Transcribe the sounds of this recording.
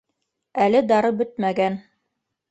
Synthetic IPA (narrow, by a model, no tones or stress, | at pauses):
ælɘd̪ɑɾɤbɵt̪̚mæɡæn